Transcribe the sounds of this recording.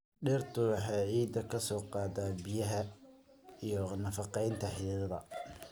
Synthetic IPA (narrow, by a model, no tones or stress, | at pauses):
ɗɛrt̪ʰʊwɑħɑːʕiːd̪ɐkʰɐsɔːqɑːd̪aːbɪjɐɦɐ | ijɔnɐfɑqɛjnt̪ʰɐħɪlɪðɐðɐ̰